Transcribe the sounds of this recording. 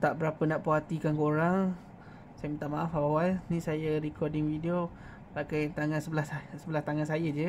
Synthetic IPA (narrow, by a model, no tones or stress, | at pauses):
t̪aʔbəɾapənaʔpoɦat̪ikankoɾaŋ | sajmit̪aʔmaʔafawawalnisajəɾikʰɔdɪŋfidio | pakajnt̪aŋansəbəlassəbəlast̪aŋansajəd͡ʒə